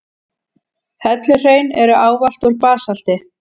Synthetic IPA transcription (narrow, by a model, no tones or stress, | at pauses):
hɛt̪lɪr̥eːjnɛɾʏʔaːwval̥t̪ɔɾpaːsal̥t̪ɪ